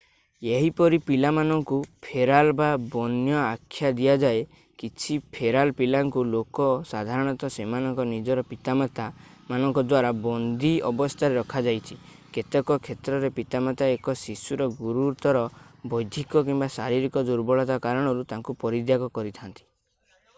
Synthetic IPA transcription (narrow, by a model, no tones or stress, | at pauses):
eɦipɔɾipilamanɔŋkupʰeɾalbabɔnjɔakʰːjad̪ijad͡ʒae | kit͡ʃʰipʰeɾalpilaŋkulokɔsad̪ʱaɾɔɽ̃ɔt̪ɔsemanɔŋkɔnid͡ʒɔɾɔpit̪amat̪a | manɔŋkɔd̪waɾabɔnd̪iɔ̰bɔst̪ʰaɾeɾɔkʰad͡ʒajt͡ʃʰi | ket̪ekɔkʰet̪ɾɔɾepit̪amat̪aekɔsisuɾɔɡuɾuɾt̪ɔɾɔbɔjd̪ʱikɔkimbasaɾiɾikɔd̪uɾbɔɭɔt̪akaɾɔɽ̃ɔɾut̪aŋkupɔɾid̪jaɡɔkɔɾit̪ʰant̪i̥